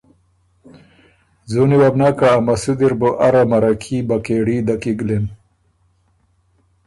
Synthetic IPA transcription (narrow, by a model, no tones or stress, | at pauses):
zuniwabnakaːmasud̪iɾboʔaɾamaɾakʰibakeɽid̪akiɡlen